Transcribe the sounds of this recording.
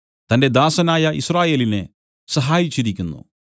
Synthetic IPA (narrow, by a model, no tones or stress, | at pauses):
t̪ɐnde̞d̪aːsɐnaːjɐʔisraːje̞ːlinḛ | sɐɦaːjit͡ɕːiɾikʲːunːṵ